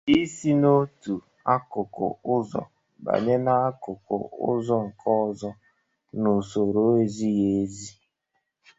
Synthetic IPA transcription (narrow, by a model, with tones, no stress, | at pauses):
i˦si˦no˦tu˨ | a˦kʊ˨kʊ̰˨ʊ˦zɔ̰˨ | ba̰˨ɲe˦na˦a˦kʊ˨kʊ̰˨ʊ̰˦zɔ˦ŋ̩˨kʰɔ˦˨zɔ˦ | nu˨so˨ɾo˦e˦zi˦je˦e˦zi˦